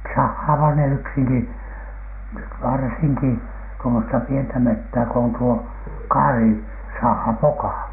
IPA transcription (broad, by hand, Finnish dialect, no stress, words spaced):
sɑhːɑːʋɑh ne yksiŋki ʋɑrsiŋki tuomostɑ pientæ metːæː ko on tuo kɑːri sɑhɑ pokɑˑ